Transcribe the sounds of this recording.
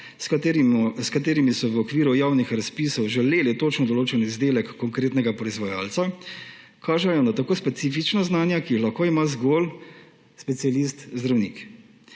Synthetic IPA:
skat̪eːɾimisɔʋəɔkʋiːɾujaːwnixɾaspisɔwʒɛleːlit̪oːt͡ʃnɔd̪ɔloːt͡ʃɛnizd̪eːlɛkːɔŋkɾeːt̪nɛɡapɾɔizʋɔja̰ːlt̪sa | kʰaːʒɛjɔnat̪akoːspɛt̪siːfit͡ʃnaznaːnjakiixlɐxkoːimazɡol | spɛt̪sijalist̪zd̪ɾawnḭːk

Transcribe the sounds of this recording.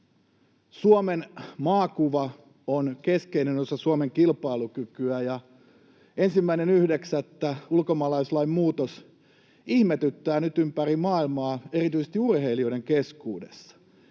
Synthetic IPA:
suomenmɑːkuʋɑ | onkeskeinent̪osɑsuomeŋkilpɑilukykyæjɑ | ensimːæinenyhdeksæt̪ːæulkomɑːlɑislɑimmuːt̪os | ihmet̪yt̪ːæːnyt̪ympærimɑːilmɑːe̞rit̪yisest̪iurheilioiɾe̞ŋkeskuːdḛsːɑ̥

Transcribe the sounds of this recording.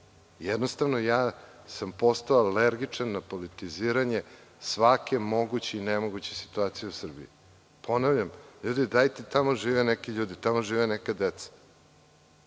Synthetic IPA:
jɛd̪nost̪aʋnojaː | sampo̞st̪aoaleɾɡit͡ʂanːapolit̪iziːɾaɲe̞sʋakemo̞ɡut͡ɕeinemo̞ɡut͡ɕesi̥t̪uaːt̪sijeusr̩bḭi | pʰo̞navʎamʎuːd̪id̪ajt̪it̪amoʒiːʋenekiʎuːd̪it̪amo̞ʒiːʋenekad̪et̪sḁ

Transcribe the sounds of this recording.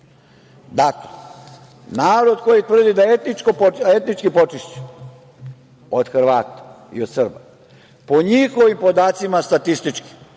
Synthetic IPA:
d̪akle | naːɾo̞d̪ko̞jit̪ʋr̩d̪id̪aet̪nit͡ʃkopoe̞t̪nit͡ʃkipo̞t͡ʃiʃt͡ɕu̥ | od̪̥xrʋaːt̪ḁ | ḭod̪srba | po̞ɲixo̞ʋimpo̞d̪aːt̪simast̪at̪ist̪it͡ʃki̥

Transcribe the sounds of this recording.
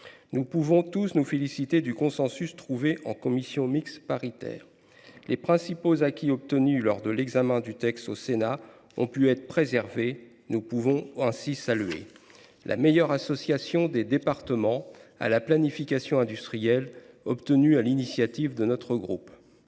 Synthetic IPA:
nupuvɔ̃t̪usnufelisit̪ed̪ykɔ̃sɑ̃syst̪χuveʔɑ̰̃kɔmisjɔ̃mikspaʁit̪ɛ̰ːʁ | lʔepχɛ̃sipozakʲiɔp̚t̪ənylɔʁd̪əlɛɡzamɛ̃d̪yt̪ɛkst̪osena | ɔ̰̃pyɛt̪χəpχezɛʁve | nupuvɔ̃ɛ̃sisalɥḛ | lʔa̰mejœʁasɔsjasjɔ̃d̪ed̪epaʁt̪əmɑ̃a̰laplanifikʲasjɔ̃ɛ̃d̪yst̪χijɛl | ɔpt̪ənyalinisjat̪ivd̪ənɔt̪χəɡʁup

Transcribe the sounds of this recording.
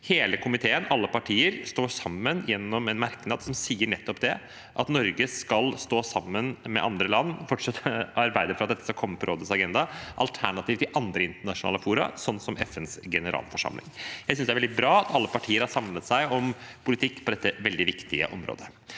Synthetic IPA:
heːləkʰʊmɪt̪ʰeːənɑlːəpɑʈʰiːəɾst̪oːʂɑmːənjɛnːɔmɛnmæɾknɑːd̪sɔmsiːəɳɛt̪ːɔpd̪ɛ | ʔɑt̪nɔɾɡəskɑlst̪oːsɑmːənmɛ̰ʔɑnd̪ɾəlɑnːfɔʈʂɑt̪ʰːəɑɾbæɪd̪əɾfɾɑt̪̚d̪ɛt̪ːəskɑkʰɔmːəpʰɔɾoːd̪əsɑɡɛnd̪ɑʔɑ̰lt̪ʰæɳɑt̪iːʋt̪ɪʔɑnd̪ɾəɪnt̪əɳɑʂʊnɑ̰ːləfuːɾɑ̰sɔnːsɔmʔɛfɛnsɡɛnəɾʔɑ̰ːlfɔʂɑ̰mlɪ̰ŋjæɪsʏnsd̪ɛæʋɛd̪ɪbɾɑːɑt̪ʰɑlːəpɑʈʰiːəɾhɑɾsɑmnət̪sæɪʔɔmpʰʊlɪt̪ʰɪkːpʰɔd̪ɛt̪ːəʋɛld̪ɪʋɪkt̪ɪə̰ʔɔmɾo̰ːd̪ə

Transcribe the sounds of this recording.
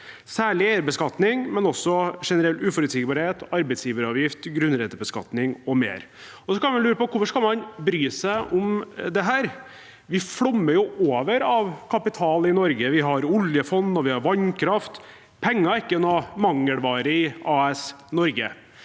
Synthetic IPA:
sæːɭɪæɪəɾbəskɑt̪nɪŋmɛnɔsːɔʂɛnəɾɛlt̪ʉːfɔɾʉd̪sɪːɡbɑːɾheːt̪ɑɾbɛɪt̪sjiːʋəɾɑʋjɪft̪ɡɾʉnɾɛt̪ːəbəskɑ̰t̪nɪŋɔmḛːɾ | ɔsɔkɑnʋɑnlʉːɾəpɔkʰʊfɔʂkɑlmɑnbɾyːsæɪʔʊmd̪ɛɦæːɾ | ʋɪfɽɔmːəɾjʊʔoːʋəɾɑʋkʰɑpɪt̪ʰɑːlɪnɔɾɡəʋɪɦɑɾʊljəfɔnd̪ɔʋɪhɑɾʋɑɲːkʰɾɑft̪ | pʰɛŋːɑɪkːəɛnɔmɑŋːəɽʋɑːɾəɪɑːɛsnɔɾɡə̰

